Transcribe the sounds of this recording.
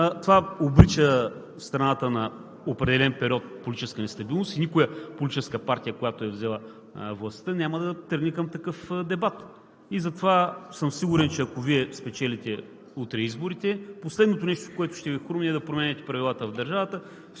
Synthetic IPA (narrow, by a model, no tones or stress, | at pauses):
t̪ovaobɾit͡ʃə | st̪ɾɐnat̪ənɐ | opɾɛd̪ɛlɛnpɛɾʲiɔt̪̚polʲt̪it͡ʃɛskənɛst̪ɐbilˠnost̪inikʊjəpolʲt̪it͡ʃɛskəpaɾt̪ʲijəkojat̪oɛvzɛlˠə | vlˠɐst̪ənʲaməd̪ɐt̪ɤɾɡnikɐmt̪ɐkɤfd̪ɛbat̪ | izɐt̪ovasɤmsiɡuɾɛnt͡ʃɛɐkoviɛspɛt͡ʃɛlit̪ɛ | ut̪ɾɛizboɾit̪ɛposlɛd̪not̪onɛʃt̪okoɛt̪ʊʃt̪ɛvixoɾmiɛd̪ɐpɾomɛnʲɛt̪ɛ̥pɾɐvʲilˠat̪əvd̪ɐɾʒavɐt̪ə